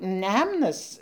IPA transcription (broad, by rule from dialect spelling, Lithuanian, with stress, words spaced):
ˈnʲɛmnɐs